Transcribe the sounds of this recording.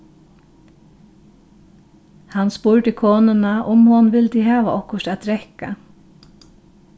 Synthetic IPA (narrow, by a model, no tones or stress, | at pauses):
hanspuɹɖ̪əkʰoːnənaʔʊmhʊnʋɪld̪iːɦɑːʋa̰ʔɔhkʊʃtɛːt̪̚ɾɛhka̰